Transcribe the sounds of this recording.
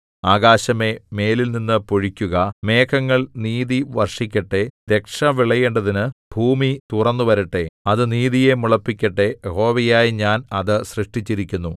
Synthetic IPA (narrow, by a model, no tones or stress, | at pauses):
aːɡaːɕɐme̞me̞ːlilninːɨpo̞ɻikʲːuɣɐme̞ːkʰɐŋːɐɭniːðiʋɐrʂikʲːɐʈːe̞d̪e̞kʂɐʋiɭɐjeɳɖɐðinɨbʱuːmit̪urɐnːuʋɐɾiʈːe̞ɐðɨniːðije̞muɭɐpːikʲːɐʈːe̞ho̞ːʋɐjaːjiɲaːnɐðɨsrɨʂʈit͡ɕːiɾikʲːunːu